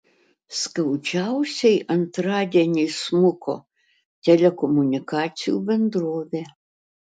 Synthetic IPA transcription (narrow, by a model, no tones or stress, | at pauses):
skɐwt͡ʃawsʲɐiʔɐnt̪ɾadʲɛnʲismukʰɔ̰ | t̪ʲɛlʲɛkɔmunʲikat͡sʲijṵbʲɛnd̪ɾɔʋʲɛ